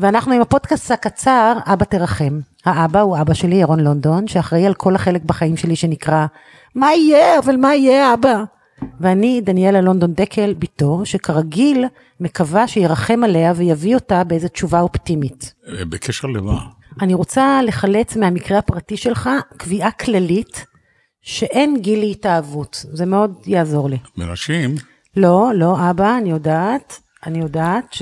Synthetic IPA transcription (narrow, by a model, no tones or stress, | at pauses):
veanaχnuimapo̞dkasthakat͡saʁabateʁaχe̞m | haʔabauabaʃe̞liaʁo̞nlo̞ndo̞nʃeaχʁeialkʰo̞lhaχe̞le̞k̚baχaimʃe̞liʃe̞nikʁa | maijeavalmaijeaaba | veanidanielalo̞ndo̞ndekʰelbitoʃe̞kʰaʁaɡil | me̞kavaʃejeʁaχe̞male̞avejavio̞tabeeze̞tt͡ʃuvaoptimitbekʰeʃeʁlema̰ | aniʁot͡sale̞χale̞t͡smeamikʁeapʁatiʃe̞lχakviʔakʰlalit | ʃe̞ʔe̞nɡilitaːvutzemeo̞djaːzo̞ʁlimḛna̰ʃim | lo̞lo̞ʔabaːnijo̞dat | anijo̞daːtʃ